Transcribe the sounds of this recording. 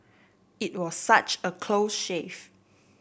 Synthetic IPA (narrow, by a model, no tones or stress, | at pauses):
it̚wɔsːat͡ʃəkʰlosʃef